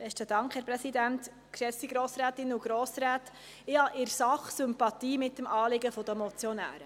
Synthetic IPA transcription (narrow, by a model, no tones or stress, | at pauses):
b̥ɛʃtədɑŋkχhɛɾpɾɛsidænt | kʃɛfsiɡɾoːsɾæːtɪnːuɡ̥ɾoːsɾæːt | ɪhɑʔɪɾsɑχsʏmpɑt̪iːmɪtːəmʔɑːlɪɡəfɔd̥̪əmɔt͡sjɔnæ̰ːɾə